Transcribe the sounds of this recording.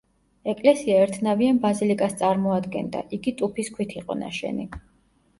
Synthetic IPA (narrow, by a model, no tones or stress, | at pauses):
ɛkʼlɛsiaɛɾt̪ʰnavianbazilikʼast̪sʼaɾmɔad̪ɡɛ̰nd̪a̰ʔiɡit̪ʼupʰiskʰwit̪ʰiqʼɔ̰na̰ʃɛ̰ni